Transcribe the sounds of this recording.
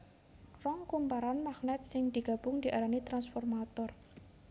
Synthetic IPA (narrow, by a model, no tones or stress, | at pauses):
rɔŋkumpaɾanmaχnɛt̪̚sɪŋd̪̥i̤ɡ̥a̤b̥ʊŋd̪̥iʔaɾanit̪ɾansfɔrmat̪ɔr